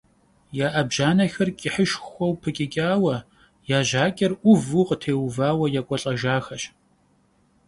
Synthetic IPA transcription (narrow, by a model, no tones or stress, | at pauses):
jaːʔɐbʒaːnɐxɐrkʲʼɪħəʃxʷɔwpʰɨkʲʼɪkʲʼaːwɐ | jaːʑaːkʲʼɐrʔʷʊvuːqətʰeːwvaːwɐjakʷʼɔɬʼɐʒaːxɐɕ